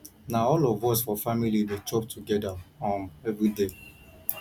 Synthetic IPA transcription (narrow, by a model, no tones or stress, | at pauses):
naɔlɔvɔs̬fɔfamilidet͡ʃɔptʰuɡɛdaɔ̃mɛvɾide